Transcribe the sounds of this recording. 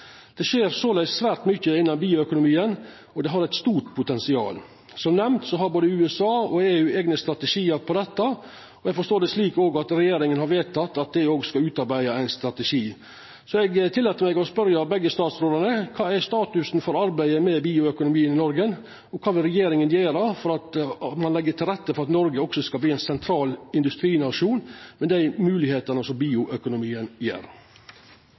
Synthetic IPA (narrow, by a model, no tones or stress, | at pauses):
d̪̥ɛʃeːɾsoːlæɪssʋæːɾʈmʏçːəɪnːɑmbiːʊœkʊnʊmiːən | ɔd̪ɛɦɑɾæɪt̪st̪uːʈpʰʊt̪ɛnsɪɑ̰ːl | sɔmnɛmnt̪sɔɦɑɾboːd̪əʉːɛsɑːɔeːʉːeːɡnəst̪ɾɑt̪əʂiːəɾpʰɔd̪ɛt̪ːɑ | ɔɛɡfɔʂt̪oːd̪ɛsliːkoːɡɑt̪ɾɛjeːɾɪŋənhɑɾʋeːt̪ɑt̪ːɑt̪̚d̪æoːɡskɑʉːt̪ɑɾbæɪɑæɪnst̪ɾɑt̪ɛʃiː | sɔɛɡt̪ʰɪlːɛt̪ːəɾmɛɡɔspœɾjɑbɛɡːəst̪ɑːt̪sɾoːd̪əɳəkʰɑːæst̪ɑːt̪ʉsn̩fɔɾɑɾbæɪəmɛbiːʊœkʊnʊmiːənɪnɔɾɡən | ɔkʰɑːʋɪlɾɛjeːɾɪŋənjeːɾɑfɔɾɑt̪mɑnlɛɡːəʈʰɪlɾɛt̪ːəfɔɾɑt̪nɔɾɡəɔksɔskɑlb̪iːæɪnsɛnt̪ʰɾɑːlɪnd̪ʉst̪ɾiːnɑʂuːnmɛd̪æɪmʉːlɪheːt̪ənəsɔmbiːʊʔœkʊnʊmiːənjḛːɾ